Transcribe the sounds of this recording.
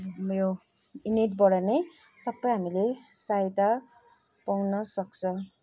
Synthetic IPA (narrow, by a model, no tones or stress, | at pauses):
mjo | ineʈbʌɽʌne | sʌpːʌjɦamilesajt̪a | pawnʌsʌk̚t͡sʰʌ